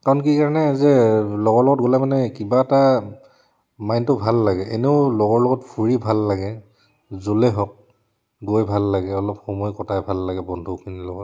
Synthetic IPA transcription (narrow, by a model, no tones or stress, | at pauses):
kaɹɔnkikaɹɔnɛzɛlɔɡɔɹlɔɡɔt̚ɡolɛmanɛkibaɛta | majntʊbʱalːaɡɛʔeneʊlɔɡɔɹlɔɡɔtpʰuɹibʱalːaɡɛ | zolɛɦɔk̚ | ɡojbʱalːaɡɛɔlɔpxɔmɔjkɔtʰajbʱalːaɡɛbɔndʱukʰinilɔɡɔt